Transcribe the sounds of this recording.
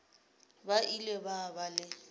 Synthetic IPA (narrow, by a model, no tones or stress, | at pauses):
baʔilebabalɪ